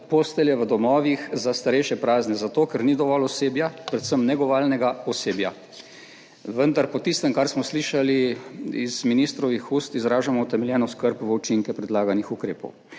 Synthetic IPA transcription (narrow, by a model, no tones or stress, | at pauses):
post̪ɛljɛʋəd̪ɔmɔːʋixzast̪aɾɛjʃjɛpɾaːznɛzat̪oːkɛɾnid̪ɔʋɔlɔseːbjapɾɛt̪səmnɛɡɔʋaːlnɛɡaɔseːbja | ʋənd̪aɾpɔt̪ist̪əmkaɾsmɔsliːʃaliizminist̪ɾɔʋixuːst̪izɾaːʒamɔut̪ɛmɛljɛːnɔskəɾpʋəut͡ʃiŋkɛpɾɛd̪laːɡanixukɾeːpɔ̰w